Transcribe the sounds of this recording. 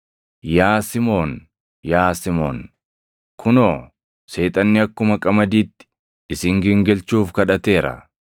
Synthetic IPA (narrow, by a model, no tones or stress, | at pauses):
jaːsɪmo̞ːn | jaːsɪmo̞̰ːn | kʰʊnoː | se̞ːt̪ʼɐnːɪɐkːʊmɐkʼɐmɐd̪iːt̪ːɪ̥ | ɪsɪŋɡɪŋɡɛlt͡ʃuːfkɐᶑɐt̪e̞ːɾɐ̰